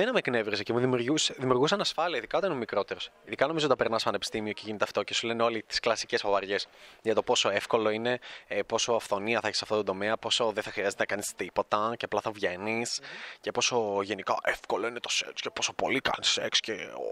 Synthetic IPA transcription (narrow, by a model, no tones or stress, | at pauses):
enɐmekne̞vɾisecemuðimjuɾʝuseðimiuɾɣus̬ɐnɐsfɐliɐiðikɐoɐninmikɾo̞t̪e̞ɾosiðikɐno̞mizot̪ɐpeɾnɐspɐne̞pi̥st̪imio̞ceʝinet̪e̞ɐft̪o̞ce̞sule̞neo̞lit̪i̥sklɐsicespɐvɐɾʝe̞sʝɐt̪o̞po̞soefko̞lo̞ine̞po̞soɐfθo̞niɐθɐeçi̥sɐft̪ot̪d̪o̞meɐpo̞so̞ðeθɐxɾiɐzet̪enɐkɐnist̪ipo̞t̪ɐceɐplɐθɐvʝe̞niscepo̞so̞ʝe̞nikɐ̰ʔefko̞loinet̪o̞sḛkscepo̞so̞po̞̰likɐ̰nisḛkscḛ